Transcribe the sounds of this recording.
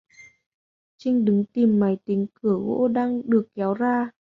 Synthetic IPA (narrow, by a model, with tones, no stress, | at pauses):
t͡ɕï˧ŋ̟ɗɨ˨˦ŋt̪i˨˩mːa˨˦jt̪ï˨˦ŋkɨ˧˩əɣo̰˧˥ɗaː˧ŋɗɨ˨˩ək̚ːɛ˨˦wzaː˧